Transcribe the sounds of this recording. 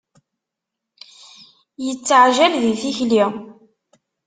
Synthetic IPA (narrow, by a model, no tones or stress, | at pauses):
jət͡sːʕʒælðiθiçli